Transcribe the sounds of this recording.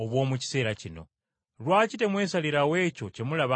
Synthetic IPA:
oβwo̞ːmuci̥se̞ːɾacino̞̰ | lwaːcite̞mwesaliɾawe̞ːco̞cemulaβa

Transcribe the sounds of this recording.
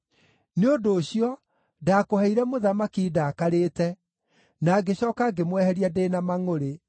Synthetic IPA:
neodoːɕiɔ | daːkohɛiɾɛmoðamakidaːkaɾeːtɛ | naːɡeɕɔːkaɡemwɛhɛɾiadeːnamaŋoɾe

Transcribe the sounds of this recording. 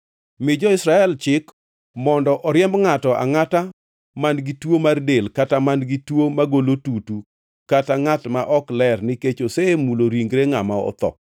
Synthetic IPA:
mɪd͡ʒɔɪsɾaɛlt͡ʃɪk | mɔndɔʔɔɾjɛmbŋatɔʔa̰ŋata | manɡɪtwomardelkatamanɡitwomaɡolotutu | kataŋatmaʔɔklɛrnɪket͡ʃosemuloɾiŋɡɾeŋamaɔ̰t̪ɔ̰

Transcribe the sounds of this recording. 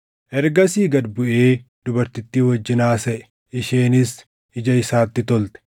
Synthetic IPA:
ʔɛɾɡɐsiːɡɐd̪bʊʔeːd̪ʊbɐɾt̪ɪt̪ːiːwɐd͡ʒːɪnaːsɐʔɛ̥ | ʔɪʃeːnɪs | ɪd͡ʒɐɪsaːt̪ːɪt̪ɔlt̪ɛ̥

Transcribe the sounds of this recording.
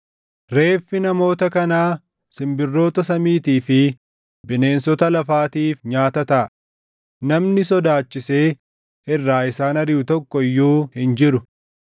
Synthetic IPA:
ɾe̞ːfːɪnɐmo̞ːt̪ɐkɐnaː | sɪmbɪrːo̞ːt̪ɐsɐmiːt̪iːfɪ | bɪne̞ːnsɔt̪ɐlɐfaːt̪iːfɲaːt̪ɐt̪ɐʔɐ | nɐmnɪsɔd̪aːt͡ʃːɪse̞ː | ɪrːaːɪsaːnɐɾɪjʊt̪ɔkːɔjːuːhɪnd͡ʒɪɾʊ

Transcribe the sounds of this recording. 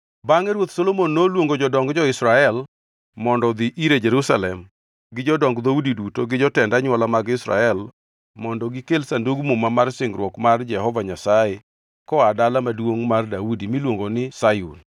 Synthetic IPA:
baŋɛɾwot̪solomonːolwoŋɡod͡ʒɔdɔŋɡd͡ʒɔɪsɾaɛl | mɔndɔd̪iʔiɾed͡ʒeɾusalɛm | ɡɪd͡ʒɔdɔŋɡd̪audidutoɡɪd͡ʒɔtɛndaɲwalamaɡɪsɾa̰ɛl | mɔndɔɡɪkelsanduɡmumamarsɪŋɡɾwɔkmard͡ʒɛhɔvaɲasaje | kɔadalamadwoŋmardaudimilwoŋɡonɪsajṵn

